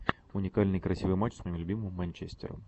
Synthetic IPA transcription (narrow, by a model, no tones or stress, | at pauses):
ʊnʲɪkalʲnɨjkɾɐsʲivɨjmat͡ɕsmɐimlʲʊbʲimɨmːɐnʲt͡ɕesʲtʲɪ̰ɾə̰m